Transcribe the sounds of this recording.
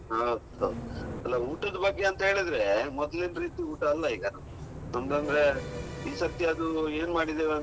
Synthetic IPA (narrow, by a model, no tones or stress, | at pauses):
ɦawd̪uɐ̰d̪uɐlːɐuːʈɐd̪ɐbɐɡːeɐnt̪ɐɦe̞ːɭid̪ɾemɔd̪linɾiːt̪iuːʈɐːlːɐiːɡɐnɐm | nɐmɡɐnd̪ɾeiːsɐt̪jɐɐd̪ueːnmaːɽid̪eʋeɐn